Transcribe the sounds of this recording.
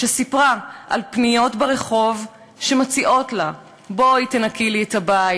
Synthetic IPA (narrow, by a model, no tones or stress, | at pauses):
ʃesipʁaʔa̰lpnijo̞tbeʁe̞χo̞v | ʃe̞mat͡siʔo̞tla | bo̞itenakʰilietabai